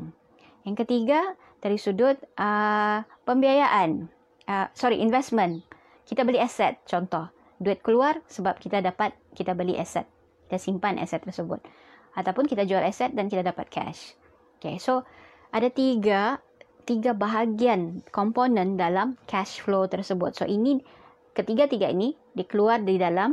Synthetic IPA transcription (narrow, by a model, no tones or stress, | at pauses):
jaŋkət̪iɡa | t̪aɾisudʊt̪̚ʔə | pəmbiajaʔan | ʔəsɔɾiʔinvɛsmə̃n | kit̪abəliɛsɛt̪̚t͡ʃɔnt̪ɔh | duɛt̪̚kəluarsəbap̚kit̪adapat̪̚kit̪abəliʔɛ̰sɛ̰t̪̚ | ki̥t̪asimpanʔɛ̰sɛt̪ːərsəbʊ̰t̪̚ | at̪awpʊnkit̪ad͡ʒualɛsɛt̪̚dankit̪adapat̪̚kʰɛ̰ʃ | okeso | ʔadat̪iɡa | t̪iɡabaɦaɡiankɔmponə̃ndalamkʰɛʃflot̪ərsəbʊt̪̚so̰ʔinĩ | kət̪iɡat̪iɡaḭnĩ | dikəluardidalam